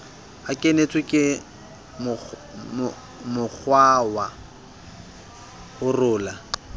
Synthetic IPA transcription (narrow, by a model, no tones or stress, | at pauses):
akʼenet͡sʼwɪkʼɪ | mʊ | mʊk͡xʰwawa | hʊrʊːla